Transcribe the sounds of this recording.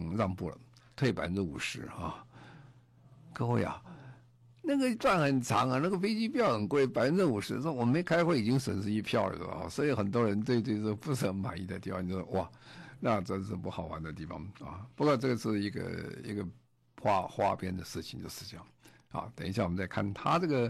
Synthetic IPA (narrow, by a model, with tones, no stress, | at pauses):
ɻɑ˥˧ŋpu˥˩lə̰˩ | t̪ʰwe˥˩ɪpa̰˧˥˧ə˥˩ṵ˨˩ʂɻ̩˧˥a˥˧˩ | kɤ˥xwe˥˩ɪɐ̰˨˩ | na˥˩ɡə˩ʈ͡ʂwa˥˩nxə˨˩nt͡sʰɑ˧˥ŋa˨˦na˥˩ɡə˩fe˥ɪt͡ɕi˥pi˥˩t͡ɕjɑ˥˩ʊxə˨˩nkwe˥˩ɪpa˧˥ə˥t͡sə˥˩u˨˩ʂɻ̩˧˥˩wɔ˨˩me˧˥ɪkʰa˥ɪxwe˥˩i˨˩t͡ɕi˥ŋswə˨˩nʂɹ̩˥i˥pʰjɑ˥˩ʊə̰˞˨˩˨a̰˥˩swɔ˧˥i˧˥xə˨˩nt̪wɔ˥ɻə˧˥nt̪̬we˥˧ɪt̪we˥˧ɪt͡sɤ˥˧ɡə˧˩pu˥˧ʂ̩˥˩xə˧˥ma̰˨˩ni˧˥t̪t̪i˥˩fɑ̰̃˧ŋ˧jo˥˧˩ɔ˥˧˥wɔ˥˩ | na˥˩ʈ͡ʂə˥n˧ʂɻ̩˥˩pu˥˩xɑ˨˩ʊwa˧˥nd̪ə˧t̪i˥˩fɑ̰˨˩˦ŋɐ̰˥˩pu˧˥kwɔ˥˧ʈ͡ʂɤ˥˩ɡə˩ʂɻ̩˥˩i˧˥ɡə̰˧ḭ˧˥ɡə˧ | xwa˥xwa̰˥pjɛ˥˧nd̪ə˨ʂɻ̩˥˩t͡ɕʰi˨˩ŋt͡ɕjo˥˧ʊʂɻ̩˥˧ʈ͡ʂə˥˩˨ | xɐ̰˧˦t̪ə˨˩n˥ɕjwɔ˨m˦nt͡sa˥˧ɪkʰa˥˩nt̪ʰa˥ʈ͡ʂɤ˥˩ɡə˩